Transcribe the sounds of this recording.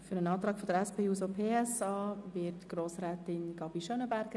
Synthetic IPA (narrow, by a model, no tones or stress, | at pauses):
fʏɾənɑːt̪ɾɑːkfɔdəɾɛspʰeːuːsopʰeːɛsɑːvɪtɡ̥ɾoːsɾɛːtɪnɡ̥ɑbiʃœnəbæɾɡ̥ə